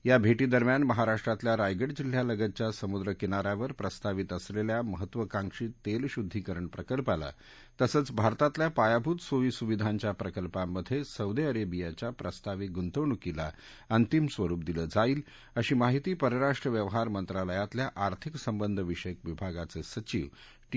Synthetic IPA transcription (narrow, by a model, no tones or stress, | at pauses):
jabʱeʈiːd̪əɾmjanməɦaɾaʂʈɾat̪ljaɾajɡəɽd͡ʑil̤jaləɡət͡ɕjasəmud̪ɾəkinaɾjaʋəɾpɾəst̪aʋit̪əsleljaməɦət̪ːʋəkãŋkʂiːt̪ːelɕud̪ʱːikəɾəɳpɾəkəlpala̰ | t̪əsəːt͡sbʱaɾt̪at̪ljapajabʱuːt̪soʋiːsuʋid̪ʱaɲt͡ɕjapɾəkəlpamːəd̪ʱːjesəwd̪eəɾebijat͡ɕapɾəst̪aʋiɡunt̪əʋɳukila | ənt̪imsʋəɾuːp̚d̪iləd͡zaiːl | əɕiːmaɦit̪iːpəɾəɾaʂʈɾəʋjəʋɦaɾmənt̪ɾaləjat̪ljaʔaɾt̪ʰiksəmbənd̪ʱəʋiʂəjkʋibʱaɡat͡sesət͡ɕiʋ